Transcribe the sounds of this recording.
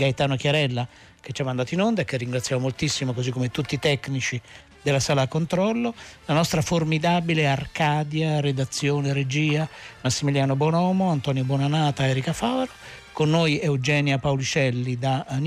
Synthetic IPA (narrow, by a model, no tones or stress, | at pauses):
ɡajt̪aːnok̟jaɾɛlːa | k̟et͡ʃːamːand̪aːt̪oinond̪aekːerːiŋɡɾat̪sːjaːmomolt̪isːimokozikːomet̪ut̪ːit̪ɛkːnit͡ʃi | d̪elːasaːlakːont̪ɾɔlːolanɔst̪ɾaformid̪aːbilearkaːd̪jared̪at̪sːjoːneɾed͡ʒiːamasːimiljaːnobwɔnɔːmoant̪ɔːnjobɔnanaːt̪aɛːɾikafawɾa | konːojɛud͡ʒɛːnjapawlit͡ʃɛlːid̪an